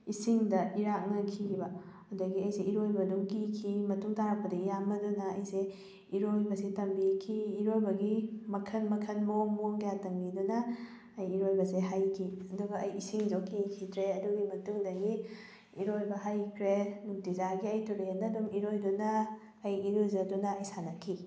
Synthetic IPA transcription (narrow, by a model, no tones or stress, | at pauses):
isiŋdɐʔiɾak̚ŋɐkʰibɐ | hawdɐɡiɐjseiɾojbɐduŋkikʰimɐtuŋtaɾak̚pːɐdɐijambɐdunɐɐjse | iɾojbɐsetɐmbikʰiːɾojbɐɡimɐkʰɐnmɐkʰɐnmomoŋɡjatɐmbidunɐː | jiɾojbɐseɦajkʰiɐduɡɐɐjisiŋzokʰikʰitʰɾeɐduɡimɐtuŋdɐɡi | iɾojbɐɦajkʰɾenuŋtizaɡiɐjtuɾedɐdumiɾojdunɐː | jiɾuzɐdunɐːjsanɐkʰi